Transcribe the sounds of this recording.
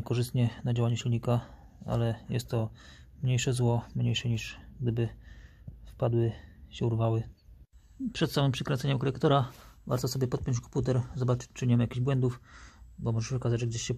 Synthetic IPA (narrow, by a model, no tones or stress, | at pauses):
ɛkɔʐɘst̪ɲɛnad͡ʑawaɲɛɕilʲɲika | a̰lɛjɛ̰st̪ːɔ | mɲejʂɛzwɔmɲejʂɛɲiʂɡd̪ɘbɘ | fpad̪wɘɕɛuɾvawɘ | pʂɛt̪samɘmpʂɛkɾɛnsɛɲɛmkɔlɛkt̪ɔɾava̰ɾt̪ɔsɔbjɛpɔt̪̚pʲjɔɲt͡ɕkɔmput̪ɛɾzɔbat͡ʂɘ̥t͡ɕt͡ʂɘɲɛmajakʲiʑbwɛnd̪ufbɔmɔʐɛʂɔkazad͡ʑʐɛɡd͡ʑeɕɕɛ